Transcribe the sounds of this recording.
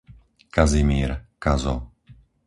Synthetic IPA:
kazimiːɾkazɔ

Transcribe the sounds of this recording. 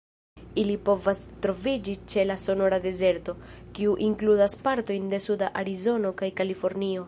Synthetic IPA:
ilipo̞vastɾo̞vid͡ʒit͡ʃe̞laso̞no̞ɾade̞ze̞ɾto̞kiuʔiŋkludaspaɾto̞jnde̞sudaʔaɾizo̞no̞kajkalifo̞ɾnio̞

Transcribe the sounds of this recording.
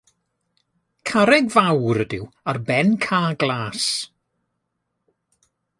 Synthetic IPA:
kʰaɾɛɡvawɾədɪ̰warbɛnkʰaːɡlˠaːs

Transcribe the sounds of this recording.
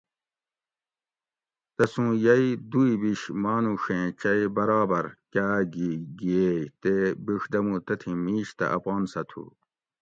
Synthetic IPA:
t̪ɐsũːjɐid̪uibiɕmaːnũʂẽːt͡ɕɐjbɐɾaːbɐɾkaːɡiɡiejt̪ebiʂd̪ɐmũt̪ɐt̪ʰĩmiːɕt̪ɐ̰ʔɐpɑːnsɐt̪ʰṵ

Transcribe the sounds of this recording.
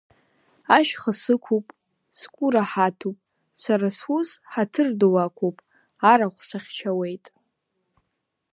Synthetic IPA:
aʃχəsɨkʷʰupʼ | skʷʼuɾaħatʰupʼ | saɾaswuzħatʰɨrdɨwakʷʰopʼ | aɾaχʷsʷaχʲt͡ʃʰawe̞jtʼ

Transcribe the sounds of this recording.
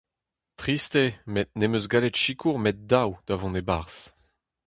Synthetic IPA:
t̪χist̪emet̚nemøzɡaletʃikʰuʁmɛt̪̚dawd̥̪avɔ̃nebaʁs

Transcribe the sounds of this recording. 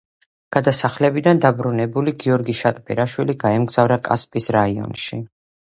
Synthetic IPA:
ɡ̥ad̪asaχlɛbid̪and̪abɾunɛbuliɡiɔɾɡiʃat̪ʼbʰɛ̰ɾaʃwiliɡaɛmɡz̥avɾakʼa̰spʼisɾaiɔ̰nʃi

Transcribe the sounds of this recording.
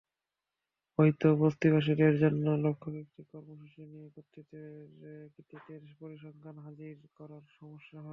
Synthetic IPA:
oɦit̪obost̪ibʱaʃ̬iɾeɾd͡ʑɔnːolokʰːobekʈikɔɾmoʃuʃiniekot̪ʰːit̪eɾkit̪ːet̪eɾpoɾiʃɔŋkʰanɦad͡ʑiɾkɔɾaɾʃɔmoʃːaɦɔ

